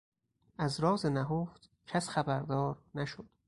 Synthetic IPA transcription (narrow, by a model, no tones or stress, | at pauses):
ʔæzɾɒːzenæɦoːft̪ | cʰæsxæbæɾd̪ɒːɾnæʃod̪̥